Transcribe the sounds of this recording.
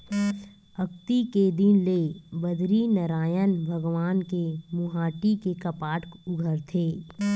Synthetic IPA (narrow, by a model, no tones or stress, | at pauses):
ɐkt̪iked̪inlebəd̪ʱɾinɐɾaːjənbʱəɡʋaːnkemʊɦaːʈikekɐpaːʈʰkʊɡʱəɾt̪ʰeː